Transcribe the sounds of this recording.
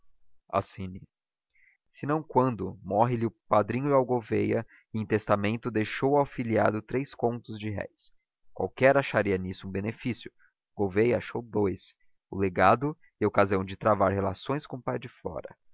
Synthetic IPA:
a̰sĩni | sɪnɐ̃w̃kwɐ̃nd̪ʊmɔɦɪlɪʊpad̪ɾĩɲʊɪawɡovejɐ | ɪẽt̪est̪amẽnt̪ʊd̪ejʃowawfiliad̪ʊt̪ɾejskõnt̪ʊzd͡ʒɪɦɛ̰js | kwa̰wkɛɾaʃaɾiɐnisʊũbenefisjʊ | ɡ̥ovejɐaʃowd̪ojs | ʊleɡad̪ʊ | ɪokaziɐ̃w̃d͡ʒɪt̪ɾavaɾɦelasõj̃skõpajd͡ʒɪfɔ̰ɾɐ̰

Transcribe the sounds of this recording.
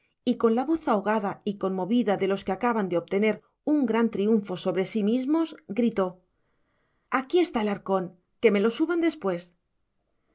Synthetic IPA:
iko̞nlaβo̞θaoɣaðaiko̞nmoβiðaðe̞lo̞skeakaβand̪eopt̪e̞ne̞ɾ | uŋɡɾant̪ɾiuɱfo̞so̞βɾe̞simizmo̞zɡɾit̪o̞ | akie̞st̪aelaɾko̞n | ke̞me̞lo̞suβand̪e̞spwe̞s

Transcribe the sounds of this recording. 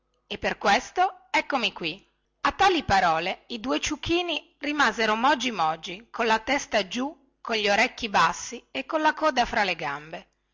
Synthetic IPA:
epːerkwest̪oɛkːomikwi | at̪ːaːlipaɾɔːleid̪uet͡ʃukʰːiːni | rimaːzeɾomɔd͡ʒːimɔd͡ʒːikonlat̪ɛst̪ad͡ʒu | koʎʎːoɾɛkːibasːiekːonlakɔːd̪afɾaleɡambe

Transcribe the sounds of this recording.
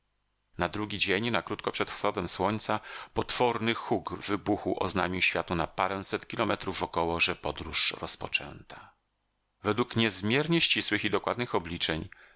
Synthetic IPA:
nad̪ɾuɡʲid͡ʑeɲnakɾut̪kɔpʂɛt̪fsxɔd̪ɛmswɔɲt̪sapɔt̪fɔɾnɘxuɡvɘbuxuwʔɔ̰zna̰ɲʲuɕfʲjat̪unapaɾɛ̃w̃sɛt̪kʲilɔmɛt̪ɾuvɔkɔwɔʐɛpɔd̪ɾuʂɾɔspɔt͡ʂɛ̰nt̪a | vɛd̪wukɲɛzmʲjɛɾɲɛɕt͡ɕiswɘxid̪ɔkwad̪nɘxɔblʲit͡ʂɛɲ

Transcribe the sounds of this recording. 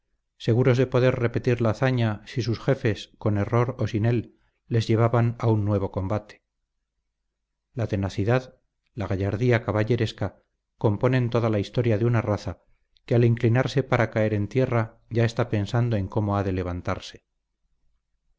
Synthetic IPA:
se̞ɣuɾo̞zðe̞po̞ðe̞ɾre̞pe̞t̪iɾlaːθaɲasis̬usxe̞fe̞sko̞ne̞ro̞ɾosine̞lː | e̞zʝe̞β̞aβanaunːwe̞β̞o̞ko̞mbat̪e̥ | lat̪e̞naθiðað | laɣaʝaɾðiakaβaʎe̞ɾe̞ska | ko̞mpo̞ne̞nt̪o̞ðalaist̪o̞ɾjaðeunaraθa | kealiŋklinaɾse̞paɾakae̞ɾe̞nt̪je̞ra | ʝae̞st̪ape̞nsand̪o̞e̞ŋko̞mo̞aðe̞le̞β̞ant̪a̰ɾse̞̥

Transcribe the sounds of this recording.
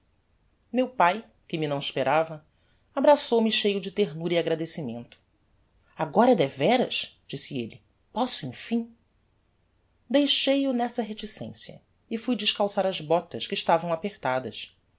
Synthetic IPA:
mewpaj | kɪminɐ̃w̃ɪʃpeɾavɐ | abɾasowmɪʃejʊd͡ʒɪt̪eɦnuɾiaɡɾad̪esimẽnt̪ʊ̥ | aɡɔɾɐd̪ɛvɛɾɐ̰ʃd͡ʒisɪelɪ | pɔsʊẽj̃fĩ | d̪ejʃejʊnɛsɐɦet͡ʃisḛ̃sjɐ̰ | ɪfujd͡ʒɪʃkawsaɾɐzbɔt̪ɐʃkɪiʃt̪avɐ̃w̃apeχt̪ad̪ɐʃ

